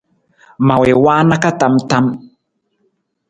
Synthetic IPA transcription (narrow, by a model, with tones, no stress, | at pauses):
ma˨we˨wa˦na˦ka˦ta˨mta˦m